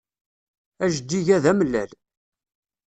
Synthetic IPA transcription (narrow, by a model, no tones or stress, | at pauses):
æʒd̪iʝæðæmlːæ̰l